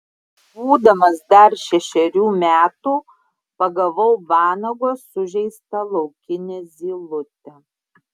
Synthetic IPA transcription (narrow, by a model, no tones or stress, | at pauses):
buːd̪ɐmɐsd̪ɐɾʃʲɛʃʲɛɾʲuːmʲæːt̪uː | pɐɡɐʋɐʊʋɑːnɐɡoːsʊʒʲɛɪst̪ɐlˠɒʊkʲɪnʲɛːzʲiːlˠʊt̪ʲɛ